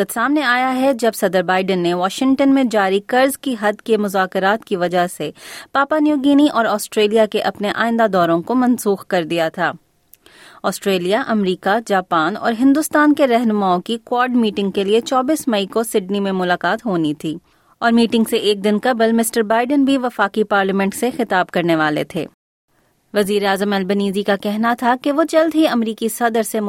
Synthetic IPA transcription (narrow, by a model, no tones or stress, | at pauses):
ət̪saːmneaːjaɦɛd͡ʒɐbsɐd̪əɾbaːɪɖənːeʋɔːʃɪ̃ŋʈənmẽd͡ʒaːɾikɐɾzkiɦɐd̪kemʊzaːkɪɾaːt̪kiʋɐd͡ʒaɦsepaːpanjuːɡiːniʔɔːɾɔːsʈɾeːlijakeʔɐpneʔa̰ːɪ̃nd̪ad̪ɔːɾõkomɐ̃nsuːxkɐɾd̪ijat̪ʰaː | ɔːsʈɾeːlijaʔɐmɾiːkad͡ʒaːpaːnɔ̰ːɾɦɪ̃nd̪ʊst̪aːnkeɾɛɦnʊmaːõkikwɔːɾɖmiːʈɪ̃ŋɡ̚keliet͡ʃɔːbiːsmɐikosɪɖnimẽmʊlaːkaːt̪ɦoːnit̪ʰiː | ɔːɾmiːʈɪ̃ŋɡseʔeːk̚d̪ɪnkɐblmɪsʈəɾbaːɪɖənbʱiʋɐfaːkipaːɾlimɛ̃ɳʈsexɪt̪aːb̚kɐɾneʋaːlḛt̪ʰḛː | ʋɐziːɾeaːzəmɛlbəniːzikakɛɦnat̪ʰakeʋot͡ʃɐld̪ʱɦiɐmɾiːkisɐd̪əɾse